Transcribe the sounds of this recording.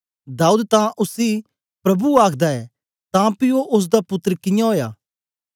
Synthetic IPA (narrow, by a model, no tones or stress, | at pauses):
d̪aːuːd̪t̪ãʔʊsi | pɾɐbuaːkʰd̪aɛ | t̪ãpioʔʊs̬d̪apʊt̪ːəɾkɪ̃jãɦoːja̰ː